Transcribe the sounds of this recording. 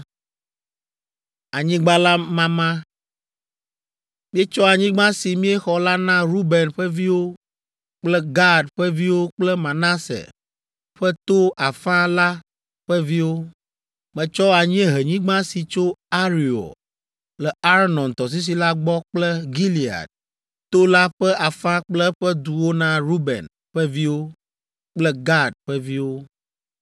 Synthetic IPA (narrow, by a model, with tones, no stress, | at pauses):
a˨ɲĩ˦ɡ͡ba˦la˦mã˦mã˦ | mĩ˦e˦t͡ʃɔ˦a˨ɲĩ˦ɡ͡bã˦si˨mĩ˦ɛ˦xɔ˨la˦nã˦ɾu˦bɛ˨nɸɛ˦vi˦wo˦ | k͡plɛ˦ɡa˦dɸɛ˦vi˦wo˦k͡plɛ˦mã˨na˦sɛ̰˨ | ɸɛ˦t̪o˦a˨fã˦la˦ | ɸɛ˦vi˦wo˦ | mɛ̃˨t͡ʃɔ˦a˨ɲ˦ɛ̃˦ɦe˨ɲĩ˦ɡ͡bã˦si˨t͡ʃo˦a˦ɾi˨o̰˨ | lɛ˨a˦ɾnɔ̃˨nt̪ɔ˨s̬i˦s̬i˨la˦ɡ͡bɔ˦k͡plɛ˦ɡi˦li˨a̰˨d̚ | t̪o˦la˦ɸɛ˦ʔa˨fã˦k͡plɛ˦ɸɛ˦d̪u˨wo˦nã˦ɾu˦bɛ̰˨n | ɸɛ˦vi˦wo˦ | k͡plɛ˦ɡa˦ɖ̚ɸɛ˦vi˦wo˦